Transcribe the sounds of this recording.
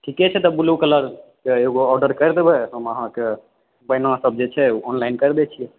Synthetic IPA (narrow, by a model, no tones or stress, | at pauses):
ʈʰikɛt͡ʃʰɛt̪ɔbulukələɾkeeɡoɔɾɖəɾkəɾd̪ebɛɦəməɦãke | bəjnãsəb̚d͡ʒet͡ʃʰɛɔnlajnkəɾd̪ɛt͡ʃʰijɛ